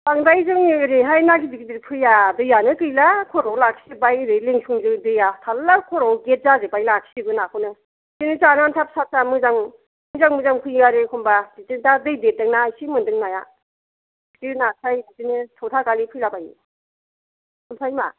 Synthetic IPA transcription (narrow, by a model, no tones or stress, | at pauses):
aŋdajzɯŋɾɯjɦajnaɡidiɡidɯɾpʰɯjadɯjanɯkɯjlakʰɔɾɔwlakʰsɯbajɾɯjleŋsʰuŋzɯŋdɯjatʰalːakʰɔɾɔwɡet̚zazɯbajlakʰsiɡɯnakʰɯnɯ | tinɯt͡ʃanantʰap̚sat̚samɯzaŋ | mɯzaŋmɯzaŋpʰɯjaɾɯkʰɔmbaditɯtadɯjdedɯŋnasimɯndɯŋnaja | kiɾnasʰajɯtinɯtʰɔtʰakalipʰɯjlabaj | kʰɯmsʰajma